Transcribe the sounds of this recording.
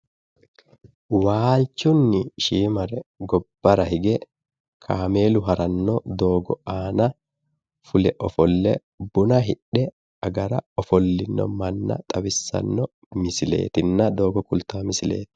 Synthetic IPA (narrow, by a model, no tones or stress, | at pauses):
waːlt͡ʃːʊnːɪʃiːmɐɾɛɡɔbːɐɾɐhɪɡɛ | kʰaːme̞ːlʊɦɐɾɐnːɔd̪o̞ːɡɔaːnɐ | fʊlɛʔɔfɔlːɛ | bʊnɐɦɪᶑːɛ | ɐɡɐɾɐɔfɔlːɪnːɔ̰mɐnːɐ̰t̪ʼɐbɪsːɐ̰nːɔ | mɪsɪle̞̰ːt̪ɪnːɐd̪o̞ːɡɔkʊlt̪aːmɪsɪle̞̰ːt̪ɪ̥